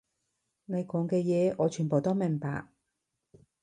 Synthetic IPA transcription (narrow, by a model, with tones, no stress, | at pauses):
ne˨˧jkɔː˨˥ŋkɛː˧jɛː˨˧ʔɔː˨˧t͡ʃʰyː˨˩npo˨˩wt̪o˥wmɛ˨˩ŋpa̰ː˨k̚